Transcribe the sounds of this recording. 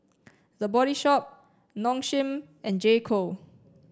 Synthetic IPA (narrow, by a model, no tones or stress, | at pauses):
dəbɔɾiʃɔp̚ | nɔ̃ŋʃĩm | ʔɛ̃nd͡ʒekʰo